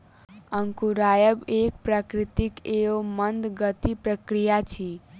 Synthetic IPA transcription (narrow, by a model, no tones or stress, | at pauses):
əŋkuɾajəbekpɾakɾit̪ikeomənd̪ɡət̪ipɾəkɾijat͡ʃʰi